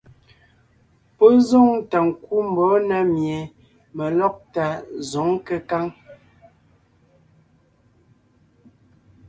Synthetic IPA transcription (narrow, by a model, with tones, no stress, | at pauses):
pɔ˦zɔ˦˨ŋta˨ŋ˨ku˦m˨bɔ˨˦na˨mje˨ | mə˨lɔ˦k̚ta˨zɔ˨˦ŋ˦kə˦ka˦ŋ